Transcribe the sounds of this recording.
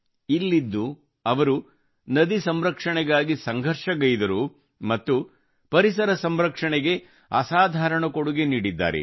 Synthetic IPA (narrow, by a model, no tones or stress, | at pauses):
ilːid̪ːu | ɐʋɐɾu | nɐd̪isɐmɾɐkʂɐɳɛɡaːɡisɐŋɡʱɐɾʂɐɡɐjid̪ɐɾu | mɐt̪ːu | pɐɾisɐɾɐsɐmɾɐkʂɐɳɛɡe̞ | ɐ̰saːd̪ʱaːɾɐɳɐkoɽuɡeniːɽid̪ːa̰ːɾḛ